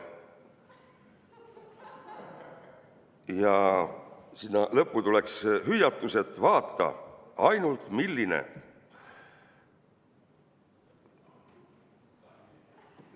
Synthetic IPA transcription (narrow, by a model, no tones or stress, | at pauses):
jɑ | sinːɑlɤpːˑut̪ule̞ksɦyjːɑt̪ːˑuse̞t̪ːˑvɑːt̪ːɑ̰ɑjnult̪milːine̞̰